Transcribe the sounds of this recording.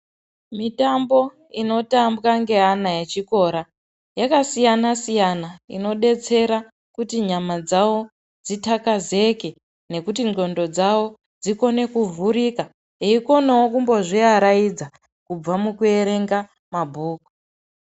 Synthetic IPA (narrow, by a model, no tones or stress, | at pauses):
mitambo̞ | ino̞tambɣaŋɡe̞ɦanajet͡ʃiko̞ɾa | jakasijanasijanaḭno̞ɗe̞t͡se̞ɾa | kutiɲamad͡zawo̞ | d͡zitakaze̞ke̞ | ne̞kutio̞ndo̞d͡zawo̞ | d͡ziko̞ne̞kuvuɾika | eiko̞newokumbo̞ʐiaɾajid͡za | kub͡vamukue̞ɾe̞ŋɡa | mabʱuːku